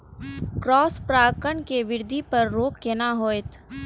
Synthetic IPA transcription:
kɾɔːspɾaːkəɳkeʋɪɾd̪ʱipɐɾːoːkːenaɦoːet̪ʰ

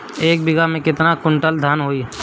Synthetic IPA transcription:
eːk̚bɪɡamẽkɪt̪nakʊ̃ɳʈəld̪ʱaːnɦoːi

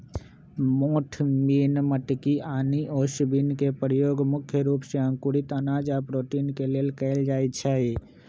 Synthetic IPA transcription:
moːʈʰmiːnməʈkiʔaːniʔoːʃibinkepɾjoːɡmʊkʰjəɾuːpseə̃ŋkuɾɪt̪ənaːd͡ʒapɾoːʈiːnkeleːlkɛɪld͡ʒaːjt͡ʃʰɛi

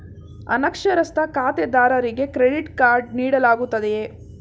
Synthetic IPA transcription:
ɐ̰nɐkʂɐɾɐst̪ɐkaːt̪ed̪aːɾɐɾiɡe̞kɾeɖiʈkaːɾɖniːɽɐlaːɡut̪ːɐd̪e

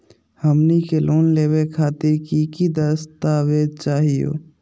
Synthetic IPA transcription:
həmnikeloːnleːwekʰaːt̪ɪɾkikid̪əst̪aːʋeːd̪̚t͡ʃaːɦijo̰ː

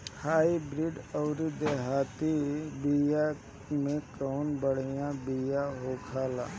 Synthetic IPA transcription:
haːibɾiɖɔʊɾid̪eɦaːt̪ibija | mẽkɔːnbəɽ̤ijãbijaɦoːkʰaːla̰ː

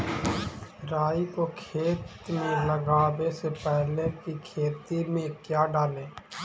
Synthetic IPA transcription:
ɾaːikokʰeːt̪ | mẽləɡaːʋesepɛɦlekikʰeːt̪imẽkjaːɖaːlẽː

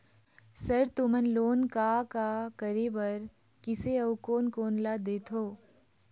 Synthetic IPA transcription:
səɾt̪ʊmənloːnkakakəɾebəɾ | kɪseəukoːnkoːnlad̪eːt̪ʰoː

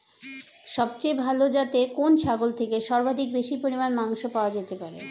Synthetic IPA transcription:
ʃɔb̚t͡ɕejbʱalod͡ʑat̪ekonʃʰaɡolt̪ʰekeʃɔɾbad̪ʱik̚beʃipoɾimanmaŋʃopaoad͡ʑet̪epaɾḛ

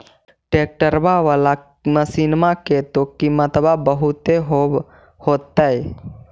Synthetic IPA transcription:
ʈeːk̚ʈəɾbaʋaːla | məsinmaket̪okimət̪əbabəɦʊt̪eɦo | hoːt̪ːaɛ

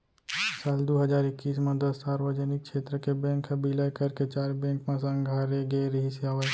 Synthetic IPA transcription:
saːld̪oːɦəd͡ʒaːɾɪkːiːsmẽd̪əsːaːɾʋəd͡ʒənɪk̚ʃʰeːt̪ɾəkebẽːŋkbilakəɾket͡ʃaːɾbẽːŋkmẽsə̃ŋɡʱaːɾeɡeɾɦɪsjaːʋə

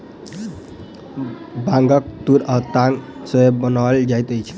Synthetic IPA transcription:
bãŋɡʌk̚t̪uɾʌt̪aŋ | səobənald͡ʒajt̪əjt͡ʃʰ

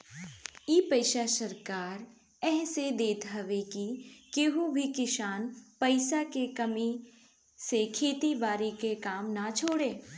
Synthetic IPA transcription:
iːpəɪʃasəɾkaːɾ | ɛɦsed̪eːt̪ɦɐʋekikeɦũbʱikɪʃaːnpɐɪsakekɐmi | sekʰeːt̪ibaːɾikekaːmnat͡ʃʰoːɽeː

